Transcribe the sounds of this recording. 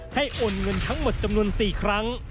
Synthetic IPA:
ha˥˩jʔo˧nŋɤ˧nt̪ʰa˦˥ŋmo˨˩t̪̚t͡ɕa˧mnu˧ənsiː˨˩kʰɾa˦˥ŋ

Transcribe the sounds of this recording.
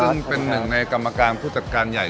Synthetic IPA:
ɯ˥˩ŋpe˧nːɯ˨˩ŋna˧jka˧mːa˧kaː˧npʰuː˥˩t͡ɕa˨˩t̚kaː˧nja˨˩j

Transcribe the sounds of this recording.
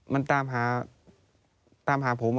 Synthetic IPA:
ma˧˨nt̪aː˧mɦaː˩˦ | t̪aː˧mɦaː˩˦pʰo˨˩˦m

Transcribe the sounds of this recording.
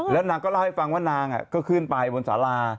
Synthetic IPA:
lɛː˦˥wnaː˧ŋkɔː˥˩la˥˩ha˥˩fa˧ŋwaː˥˩naː˧ŋʔa̰˨˩kɔː˥˩kʰɯ˥˩npa˧jbo˧nsa̰ː˩˦laː˧

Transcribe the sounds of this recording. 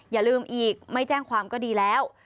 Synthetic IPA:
jaː˨˩lɯː˧mʔiː˨˩k̚ma˥˩jt͡ɕɛː˥˩ŋkʰwaː˧mkɔː˥˩diː˧lɛː˦˥w

